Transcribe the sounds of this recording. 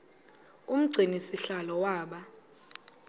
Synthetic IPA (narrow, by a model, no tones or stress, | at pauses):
um̩ɡ͡ǀʱinisiɬalɔwaːɓa